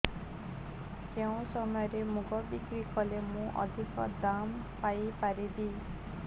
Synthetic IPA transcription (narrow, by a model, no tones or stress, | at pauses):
keũsɔmɔjɔɾemuɡɔbikɾikɔlemũʔɔ̰d̪ʱikɔd̪ampajpaɾibi